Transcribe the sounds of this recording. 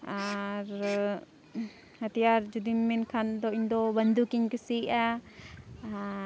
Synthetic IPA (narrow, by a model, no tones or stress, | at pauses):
aɾ | hət̪ijaɾd͡ʒud̪imːinkʰand̪ɔiɲd̪ɔbənd̪ukiɲkəsiʔa